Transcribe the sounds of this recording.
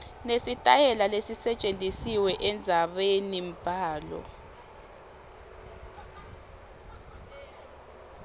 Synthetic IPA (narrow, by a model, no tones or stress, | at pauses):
nesitʼajɛlalesisɛt͡ʃʼend͡zʱisiwɛʔɛnd͡zʱaɓenim̩pʼaːlɔ̰